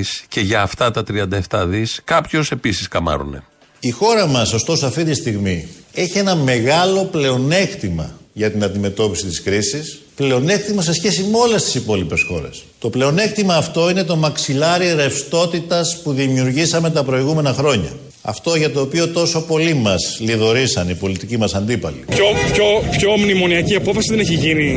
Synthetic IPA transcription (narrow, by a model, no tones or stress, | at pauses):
sce̞ʝɐːft̪ɐt̪ɐt̪ɾiɐnd̪ɐeft̪ɐðiskɐpçose̞pisiskɐmɐ̰ɾṵne̞̰ | ixo̞ɾɐmɐso̞st̪o̞soɐft̪it̪ist̪iɣmie̞çie̞nɐme̞ɣɐlo̞ple̞o̞ne̞kt̪imɐ̰ʝɐt̪inɐnd̪ime̞t̪o̞pisit̪iskɾisisple̞o̞ne̞kt̪imɐse̞sçe̞simeo̞le̞st̪i̥sipo̞lipe̞sxo̞̰ɾe̞̰st̪o̞ple̞o̞ne̞kt̪imɐːft̪o̞ine̞t̪o̞mɐksilɐɾiɾe̞fst̪o̞t̪it̪ɐspuðimiuɾʝisɐme̞t̪ɐpɾo̞iɣume̞nɐxɾo̞ɲɐ̰ | ɐ̰ft̪o̞ʝɐt̪o̞ːpio̞t̪o̞so̞po̞limɐzliðo̞ɾisɐnipo̞lit̪icimɐsɐnd̪ipɐ̰lḭpçopçopço̞mnimo̞niɐciɐpofɐsiðeneçiʝini